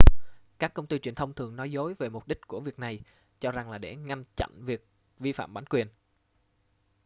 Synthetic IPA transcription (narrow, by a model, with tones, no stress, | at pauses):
kaː˦˥kːə˧wŋ͡mt̪i˧t͡ɕwi˨˩ənt̪ʰə˧wŋ͡mt̪ʰɨ˨˩əŋnɔ˨˦jzo˨˦jve˨˩mʊ˨˩k͡p̚ɗï˦˥k̟̚ku˧˩əvi˨˩ək̚na˨˩j | t͡ɕɔ˧za˨˩ŋlaː˨˩ɗḛ˧˩ŋa˧ŋt͡ɕa̰˧˨nvi˨˩ək̚ | vi˧fa̰ː˧˨mɓaː˨˦nkwi˨˩ən